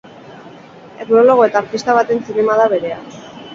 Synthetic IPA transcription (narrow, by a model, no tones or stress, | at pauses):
e̞kno̞lo̞ɣoe̞t̪aːɾt̪ist̪aβ̞at̪e̞nsine̞maðaβe̞ɾe̞a̰